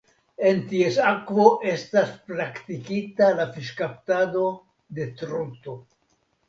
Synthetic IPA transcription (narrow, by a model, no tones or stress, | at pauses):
e̞ntiesakvo̞ʔe̞staspɾaktikitalafiʃkaptado̞ | de̞t̪ɾuto̞